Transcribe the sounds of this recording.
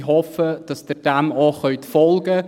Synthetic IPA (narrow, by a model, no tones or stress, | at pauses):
ɦɔfəd̥ɑsd̥ɪd̥æmoχœʏtfɔlɡə